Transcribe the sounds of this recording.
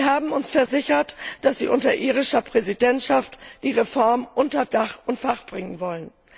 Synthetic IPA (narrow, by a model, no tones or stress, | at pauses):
vɐɦaːbm̩ʊnsfɛɐzɪçɐtd̥asz̥ḭːʔʊntɐʔiːʁɪʃɐpʁ̥ɛzidɛntʃaftd̥iːʁefɔɐmʔʊntɐdaχʔʊntfaχb̥ʁɪŋənvɔlən